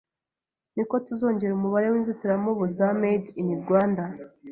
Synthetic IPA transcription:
niko̞tuzo̞ːɲɟe̞ɾumuβaɾe̞wiːnzutiɾamoβuzamediniɾɡwaːnda

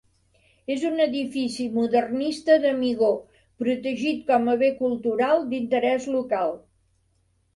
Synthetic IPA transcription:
ezunəðifisimuðərnist̪əðəmiɣ̞o | pɾut̪əʒit̪kɔməβekulˠt̪uɾalˠd̪int̪əɾɛzlukalˠ

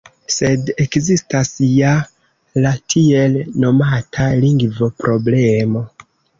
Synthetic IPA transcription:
se̞de̞kzistasja | latʰie̞lno̞matʰaliŋɡvo̞pɾʔo̞blemo̞

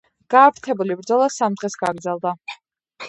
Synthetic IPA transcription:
ɡ̥aːvɾt̪ʰɛbulibɾd̪zɔlˠasamd̪ʁɛsɡaɡɾd̪zɛlˠd̪a

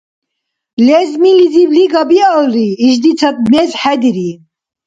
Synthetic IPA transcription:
lɛzmilizibliɡabialɾiːʃd̪it͡sʰɐt̪̚mezħɛd̪iɾi

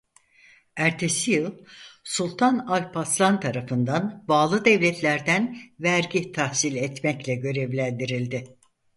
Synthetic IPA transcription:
æɾt̪ʰe̞sijɯlˠsulˠt̪ʰanalʲpʰaslˠant̪ʰaɾafɯnd̪anbaːlˠɯd̪ɛvlʲɛt̪ʰlʲæɾd̪ænvæɾɟit̪ʰahsilʲɛt̪mɛclʲɛɟø̞ɾe̞vlʲænd̪iɾilʲd̪ɪ

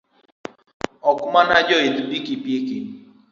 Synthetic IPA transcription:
ɔkmanad͡ʒɔetbikipieken

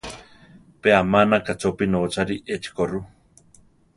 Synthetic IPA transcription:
peamanakat͡sopinot͡ʃaɾiʔet͡ʃi̥koru

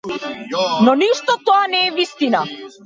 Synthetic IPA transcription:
nɔniʃt̪ɔt̪ɔanɛːvist̪ina

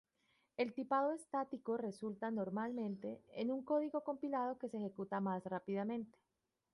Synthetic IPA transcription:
e̞lt̪ipaðoe̞st̪at̪iko̞re̞sult̪ano̞ɾmalmẽ̞nt̪e̞enuŋko̞ðiɣo̞ko̞mpilað̞o̞ke̞sexe̞kut̪amasrapiðamẽ̞nt̪e̥

